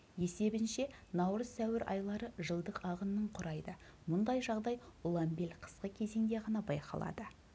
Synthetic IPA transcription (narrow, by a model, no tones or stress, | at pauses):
je̞se̞bɪnʃe̞nɑwɾəz̥t̪ʰæwɪɾʔɑ̰jlˠɑɾəʒəlˠd̪əqɑʁənːəɴqʰʊɾɑjd̪əmʊnd̪ɑjʒɑʁd̪ɑjʊlˠɑmbe̞lʲqʰə̥sqəkʲʰe̞ze̞ŋd̪e̞ʁɑnɑbɑjqʰɑ̰lˠɑ̰d̪ə